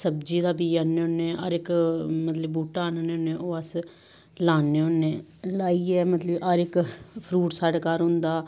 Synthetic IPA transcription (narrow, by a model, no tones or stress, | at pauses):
səbd͡ʒiːd̪aːbiːanːeːonːeːa̰ɾɪkmət̪ləbːuːʈaːnaːneːʊnːẽːoːəs | laːneːʊnːeːlaːiːɛːmət̪ləbaɾɪkpʰɾuːʈsaːɽaːkaːɾɦʊ̃nd̪aː